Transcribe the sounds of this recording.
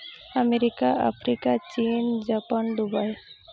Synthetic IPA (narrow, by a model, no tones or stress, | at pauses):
əmeɾikaə̰fʰɾikat͡ʃind͡ʒapand̪ubaj